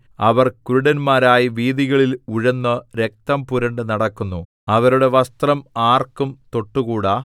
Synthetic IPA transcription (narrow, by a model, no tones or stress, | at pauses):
ɐʋɐrkuɾuɽɐnmaːɾaːjiʋiːðiɣɐɭiluɻɐnːɐɾe̞k̚t̪ɐmpuɾɐɳɖɨnɐɽɐkːunːu | ɐʋɐɾuɽe̞ʋɐst̪rɐmaːrkumt̪o̞ʈːuɣuːɽaː